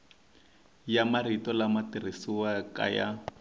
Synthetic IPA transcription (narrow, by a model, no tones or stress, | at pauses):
jamaritɔlamatir̤isiwaka̰ja̰